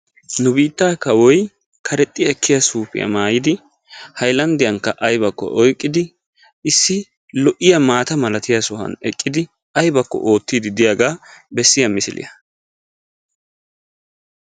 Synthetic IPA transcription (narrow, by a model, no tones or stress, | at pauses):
nʊbiːt̪ːaːkɐwɔj | kʰɐɾɛt̪ʼːɪjɛkʰːɪjɐsuːpɪ̰jɐ̰maːjɪd̪ɪ | hɐjlɐnd̪ɪjɐŋkːɐʔɐjbɐkːɔ̰ʔɔjkʼːɪd̪ɪ | ɪsːɪ | lɔʔɪjɐmaːt̪ɐmɐlɐt̪ɪjasʊɦɐ̰nɛkʼːɪd̪ɪ | ɐjbɐkːɔ̰ʔo̞ːt̪ːiːd̪ɪd̪ɪjaɡaːbɛsːɪjɐmɪsɪlɪ̰jɐ